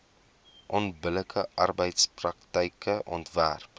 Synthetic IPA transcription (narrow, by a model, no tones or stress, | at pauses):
ʔɔnbələkʰəʔɐrbəjtsprɐktəjkəʔɔntvæ̰rp